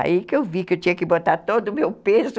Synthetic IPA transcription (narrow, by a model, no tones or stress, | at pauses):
a̰ikɪewvikɪewt͡ʃĩɲɐkɪbot̪aɾt̪od̪ʊːmewpezʊ